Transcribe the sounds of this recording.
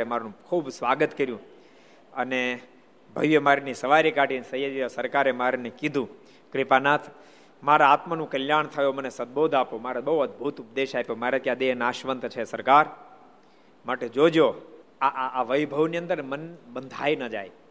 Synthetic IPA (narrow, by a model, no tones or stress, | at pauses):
emaɾũkʰubsʋaɡət̪kəɾjũ | əne | bʱə̰jjemaɾenisəʋaɾikaʈinesəjəd͡ʒ̪iasəɾkaɾemaɾenekid̪ʱũ | kɾɪpanat̪ʰ | maɾaat̪mənũkəljaɳt̪ʰəjomənesəd̪̚bod̪ʱapomaɾebəɦuəd̪̚bʱut̪up̚d̪eʃapjomaɾet̪jãd̪enaʃʋənt̪t͡ʃʰesəɾkaɾ | maʈed͡ʒod͡ʒoaʔːʋəjbʱəʋniənd̪əɾmənbənd̪ʱajnəd͡ʒa̰j